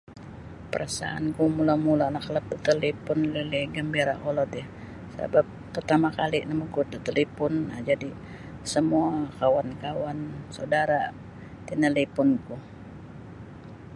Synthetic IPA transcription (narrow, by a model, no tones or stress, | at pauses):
pəɾasa̰a̰nkumulamulaːnaklap̚t̪ət̪əlipʊnliliɡəmbiɾaʔolɔt̪ɛh | sa̰bap̚ːərt̪amakalinamukut̪ət̪əlipʊnːad͡ʒadi | səmuaakawankawansawdaɾa | t̪inəlipʊnku